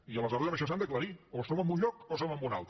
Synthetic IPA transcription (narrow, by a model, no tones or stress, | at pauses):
iələzɔɾðəʃɔsand̪əkləɾiosoməmbunʎɔkos̬oməmbuna̰lˠt̪